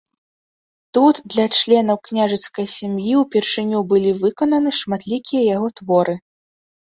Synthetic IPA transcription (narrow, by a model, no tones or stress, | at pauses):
t̪ut̪d̪lʲɐt͡ʂlʲɛnɐwknʲaʐɨt̪skɐjsʲamjiwpʲɛrʂɨnʲubɨlʲivɨkɐnɐnɨʂmat̪lʲikʲijɐjaɣɔt̪vɔɾʔɨ